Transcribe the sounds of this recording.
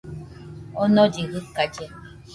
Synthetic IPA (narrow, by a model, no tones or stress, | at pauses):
ɔnɔdiɣikad͡ʒɛ